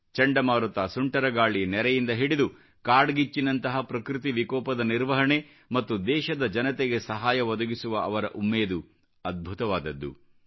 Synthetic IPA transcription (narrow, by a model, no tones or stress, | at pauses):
t͡ʃɐɳɖɐmaːɾut̪aːsuɳʈɐɾɐɡaːɭinɛɾɛjind̪ɐɦiɽid̪u | kaːɖɡit͡ʃːinɐnt̪ɐɦɐpɾɐkɾit̪̬iʋikɔːpɐd̪ɐniɾʋɐɦɐɳe | mɐt̪ːud̪ɛːʃɐd̪ɐd͡ʒɐnɐt̪eɡesɐɦaːjɐʋɔd̪ɐɡisuʋɐʔɐʋɐɾɐʔumːeːd̪u | ɐd̪̚bʱut̪ɐʋaːd̪ɐd̪ːṵ